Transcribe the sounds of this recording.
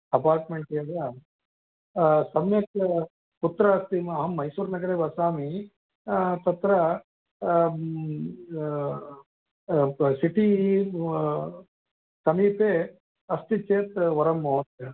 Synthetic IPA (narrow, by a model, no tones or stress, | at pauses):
ɐpaːɾʈmeɳʈiɐɡ̪a | sɐmjɐt̪ | put̪ːɾɐɐst̪iɐɦɐmːɐjsuːɾnɐɡɐɽeːbɐsaːmi | t̪ɐt̪ɾɐ | siʈi | sɐmiːpeː | ɐst̪it͡ʃeːt̪ʋɐɾɐmːoːt̪